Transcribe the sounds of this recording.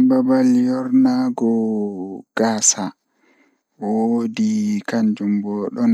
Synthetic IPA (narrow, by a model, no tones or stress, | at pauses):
babaljɔɾnaɡɔ | ɡ̥aːsa | wodikaɲd͡ʒumbɔːɗɔn